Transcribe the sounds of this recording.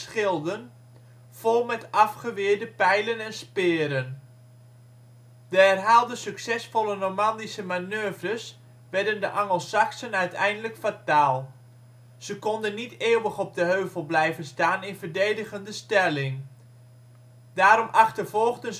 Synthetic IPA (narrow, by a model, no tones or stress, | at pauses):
sχɪlˠdən | v̥olˠmɛtɑfχəʋɪːdəpɛjlənɛnspɪːɾən | dəɛrɦaːlˠdəsyksɛsfɔlˠəromɑndisəmanøːvrəs | ʋɛɹdəndəʔaŋəlˠsaksənœɥtɛ̰jndələkfataːlˠ | z̥əkɔndənːiteːəwəχɔb̚dəɦøːvəlˠblɛjvənstaːnɪnvərdejdəɣəndəstɛlɪŋ | d̥aːɾɔmʔaχtəvɔlˠɣdən